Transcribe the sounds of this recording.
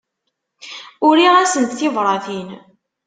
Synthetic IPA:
ʊɾiʁæsənt̪θɪvɾˤɑθin

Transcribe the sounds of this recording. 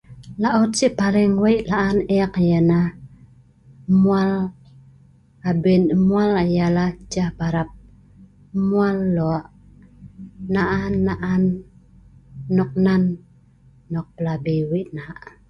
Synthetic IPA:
laʔɔt̪̚siʔpalɪŋwaiʔlaʔanɛkjana | mual | abinmualajalad͡ʒahbaɾap̚ | mualːɔaʔ | naʔanːaʔan | ɔk̚nanː | ɔk̚pəlabiwiʔnaʔ

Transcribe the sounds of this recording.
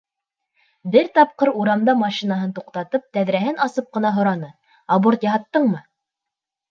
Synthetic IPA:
bɘɾt̪ɑp̚qɤɾuɾɑmd̪ɑmɑʃinaɦɤnt̪uqt̪ɑt̪ɤp̚t̪æðɾæɦɘnɑsɤp̚qɤ̆nɑɦŏɾɑnɤ | ɑboɾt̪jɑɦɑt̪ːɤɴmɤ

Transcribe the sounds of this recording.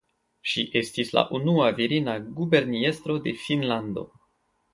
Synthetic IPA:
ʃiʔe̞stisla̰ʔunuaviɾinaɡube̞ɾnie̞st̪ɾo̞de̞finlando̞̰

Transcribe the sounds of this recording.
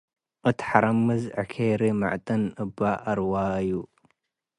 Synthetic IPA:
ʔɨt̪ʰħaɾɐmːɨzʕɨkʰeɾima̰ʕt̪ʼɨnɨbaʔɐɾwaju

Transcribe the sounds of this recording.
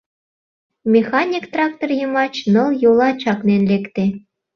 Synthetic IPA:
mʲexɑnʲikt̪rɑk̚t̪orjɤ̆mɑt͡ɕnɤ̆lˠjolˠɑt͡ɕɑknenlekt̪e

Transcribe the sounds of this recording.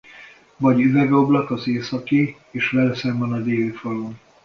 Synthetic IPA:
vɒɟyvɛɡo̞blɒkɒzeːsɒki | eːʃʋɛlɛsɛmbɒnɒd̪eːlyfɒlon

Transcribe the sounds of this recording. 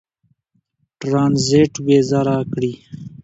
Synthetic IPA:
ʈɾaːnzeʈbeːzaɾakɽi

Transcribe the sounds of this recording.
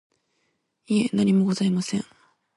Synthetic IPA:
ienaɲʲimo̞ɡo̞zaimasẽŋ

